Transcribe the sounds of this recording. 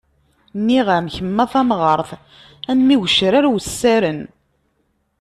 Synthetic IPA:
nːiʁamçəmːæθæmʁəɾˤθ | ænmiwəʃɾaɾwsːæɾən

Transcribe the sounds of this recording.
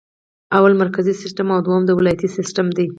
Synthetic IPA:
awalmaɾkazisɪsʈamawd̪wamd̪əwɪlɑjat̪isɪsʈamd̪ej

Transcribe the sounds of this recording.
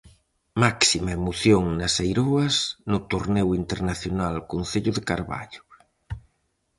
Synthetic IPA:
maksimaemoθjoŋnasejɾoɐznʊt̪oɾnewint̪eɾnaθjonalkonθeʎʊðekaɾβa̰ʎʊ̥

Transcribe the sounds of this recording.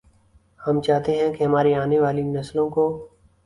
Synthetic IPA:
hɐmt͡ʃaːɦt̪eɦɛ̃kiɦɐmaːɾiaːneʋaːlinɐslõko

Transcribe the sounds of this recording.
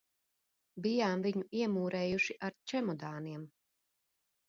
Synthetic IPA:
bijaːmviɲuiɛmuːɾɛːjuʃiʔaɾt͡ʃɛmɔd̪aːniɛm

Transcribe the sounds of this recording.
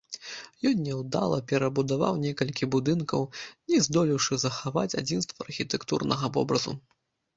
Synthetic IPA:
jɔnʲːɛwd̪a̰lˠɐpʲɛɾɐbud̪ava̰wnʲɛkɐlʲkʲibud̪ɨnkɐwnʲɛzd̪ɔlʲiwʂɨzɐxava̰t͡sʲa̰d͡zʲinst̪vɐɐrxʲit̪ɛkt̪ṵrnɐɣɐvɔ̰bɾɐzṵ

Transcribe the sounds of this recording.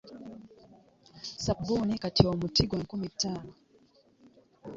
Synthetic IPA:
sap̚ɡunikatiɔmutiɡwaŋkumitaːnɔ

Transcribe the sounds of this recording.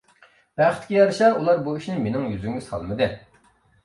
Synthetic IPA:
b̥æχət̪ʰːɪkʲijɑɾɨʃɑulˠɑɾbuiʃnɪmenɪŋjyzyŋysɑ̰lˠmɨd̪ɨ

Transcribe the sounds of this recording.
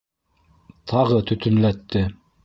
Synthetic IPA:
t̪ʰɑʁɤt̪ɵ̆t̪ɵ̆nlæt̪ːɘ

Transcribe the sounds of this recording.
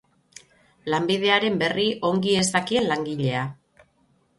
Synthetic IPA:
lambið̞e̞aɾe̞mbe̞riʔo̞ŋɡie̞zd̪akie̞nlaŋɡiʎe̞a

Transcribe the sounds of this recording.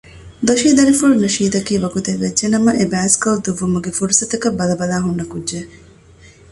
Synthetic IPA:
d̪oʃiːd̪ɐɾifuɭunɐʃiːd̪ɐkiːʋɐɡut̪eʋːed͡ʒd͡ʒenɐmɐʔebæːskɐld̪uʋːumuɡefuɾusɐt̪ɐkɐbɐlɐbɐlaːɦunːɐkudːʒe

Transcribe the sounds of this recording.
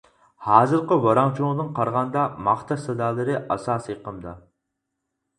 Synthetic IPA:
hɑːzɨɾqəwɑɾɑŋt͡ʃʰud̪ɨŋqʰɑɾʁɑnd̪ɑmɑχt̪ʰɑsɨd̪ɑːlˠɨɾɨʔɑ̰sɑːsjeqəmd̪ɑ

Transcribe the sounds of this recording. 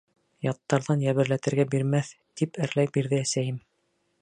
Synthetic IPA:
jɑt̪ːɑɾðɑnjæβɘ̆ɾlæt̪ɘ̆ɾɡæbiɾmæθ | t̪ipɘɾlæjbiɾðɘæsæjɘm

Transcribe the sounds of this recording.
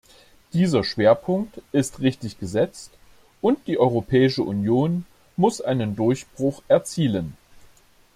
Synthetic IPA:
d̥iːzɐʃv̥eːɐpʰʊŋk̚tɪstʁɪçtɪçɡ̥əzɛt͡st | ʔʊnt̚d̥iːʔɔʏʁ̞opʰɛːɪʃəʔunjoːn | mʊsʔaɪnəndʊɐçb̥ʁʊχʔɛɐt͡siːlən

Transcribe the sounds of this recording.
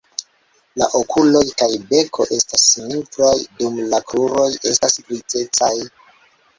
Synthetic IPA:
laʔo̞kulo̞jkajbe̞kʰo̞ʔe̞stasnifɾajdumlakɾuɾo̞je̞stasɡɾit͡se̞t͡saj

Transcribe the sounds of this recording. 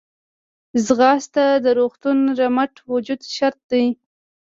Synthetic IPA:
zɣɑst̪ad̪əɾoxt̪unɾamaʈwʊd͡ʒud̪ʃaɾt̪̚d̪aj

